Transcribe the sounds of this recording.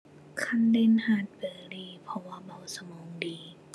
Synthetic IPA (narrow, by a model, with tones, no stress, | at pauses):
kʰa˧˥˨nde˧˨nhaː˧˩˨t̪̚bɤː˨˩liː˧˩pʰɔ˧waː˧ba˧˩wsa˧mɔː˨˦ŋdiː˨˦